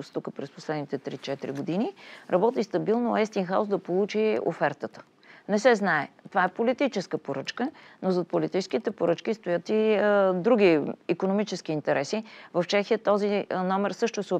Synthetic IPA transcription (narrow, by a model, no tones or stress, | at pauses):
ʊst̪ukəpɾɛsposlɛd̪nit̪ɛt̪ɾit͡ʃɛt̪iɾḭɡod̪iniɾʔɐbɔt̪ist̪ɐbilˠnoɛst̪inxaʊzd̪ɐpolˠut͡ʃio̰fɛɾt̪ət̪ə̥ | nɛsɛznaɛt̪ovaɛpolit̪it͡ʃɛskəpoɾɤt͡ʃkənozɐt̪̚polit̪it͡ʃɛ̥skit̪ɛpoɾɤt͡ʃkist̪ojət̪id̪ɾuɡ̟ʲiikonomit͡ʃɛsk̟iːnt̪ɛɾʔɛsivɐft͡ʃɛxiət̪ɔzinɔmɛɾsɤʃt̪ʊsɛo